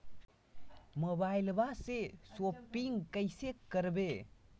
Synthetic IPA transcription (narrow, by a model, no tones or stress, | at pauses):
mobajlbasesopːiŋkəjsekːəɾbe